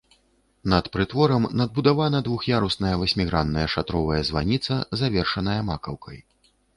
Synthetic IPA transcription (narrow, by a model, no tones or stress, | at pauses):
nɐt̪pɾɨt̪vɔɾɐmnɐd̪̚bud̪avanɐd̪vuxjaɾusnɐjɐvɐsʲmʲiɣɾanːɐjɐʂat̪ɾɔvɐjɐzva̰nʲit̪sɐzavʲɛrʂɐnɐjɐmakɐwkʰɐj